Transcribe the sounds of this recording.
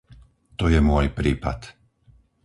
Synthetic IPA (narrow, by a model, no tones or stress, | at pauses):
t̪ɔjɛmʊɔjpɾiːpa̰t̪